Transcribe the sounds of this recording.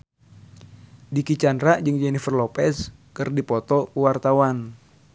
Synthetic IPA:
dikit͡ʃandɾaʔd͡ʒɨŋd͡ʒɛnifərlɔpɛs | kɨrdipɔt̪ɔkəwart̪awan

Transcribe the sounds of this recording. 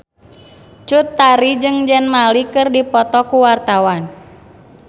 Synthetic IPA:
t͡ʃut̪ːaɾid͡ʒɨŋd͡ʒɛnmalikɨrdipɔt̪ɔkuwart̪awan

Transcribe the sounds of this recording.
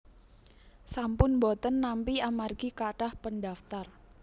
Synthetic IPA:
sampʊnbɔt̪ənːampiamarɡ̥ikaɖahpənɖaft̪ar

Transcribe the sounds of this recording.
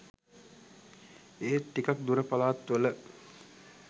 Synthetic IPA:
eːt̪ːikak̚d̪uɾəpalaːt̪ːʋələ

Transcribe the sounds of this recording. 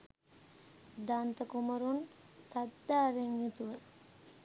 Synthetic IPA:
d̪ant̪ɐkumɐɾunsɐt̪ːaːɾeŋjut̪uʋə

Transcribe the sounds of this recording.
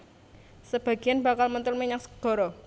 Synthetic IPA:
səb̥a̤ɡ̥ianb̥a̤kalmənt̪ʊlmiɲaŋsə̥ɡ̥ɔ̤ɾɔ

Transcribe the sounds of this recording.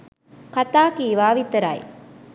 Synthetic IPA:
kɐt̪aːkiːʋaːʋit̪ːɐɾa̰ːj

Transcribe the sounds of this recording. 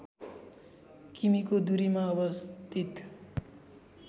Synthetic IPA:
kimikod̪uɾimaʌbʌst̪ʰit̪

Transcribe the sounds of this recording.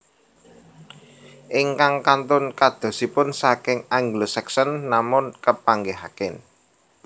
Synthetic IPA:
ʔɪŋkaŋkant̪ʊnkad̪̥o̤sipʊnsakɪŋaŋɡlosɛksənːamʊnkəpaŋɡeɦakɪn

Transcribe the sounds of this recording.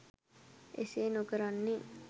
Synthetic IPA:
ʔḛseːnokəɾanːe

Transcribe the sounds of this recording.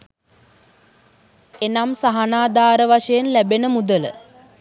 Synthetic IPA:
enamsaɦanaːd̪aːɾəʋaʂəjenlæbenəmud̪ələ̰

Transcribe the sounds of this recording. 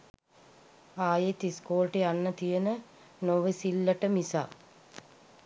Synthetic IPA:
aːjet̪iskoːlʈeanːət̪ijənə | noʋəsilːəʈəmisa̰ː

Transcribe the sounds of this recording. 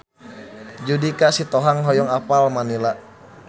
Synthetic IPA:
d͡ʒudikasit̪ɔɦaŋɦɔjɔŋapalmanilaʔ

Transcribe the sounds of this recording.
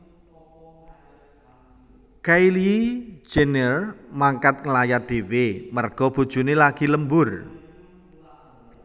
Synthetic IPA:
kaili̥d͡ʒ̥enɛrmaŋkat̪̚ŋəlajad̪̥ewemərɡ̥ɔ̤b̥ṳd̥ʒ̥ṳnelaɡ̥i̤ləmbʊr

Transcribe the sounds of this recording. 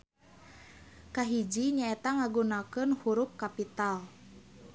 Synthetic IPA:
kaɦid͡ʒiɲaɛt̪aŋaɡunakənhuɾup̚kapit̪al

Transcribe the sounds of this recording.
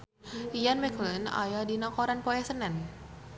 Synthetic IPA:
ijanmɛkləna̰jadinakɔɾanpɔɛsənɛn

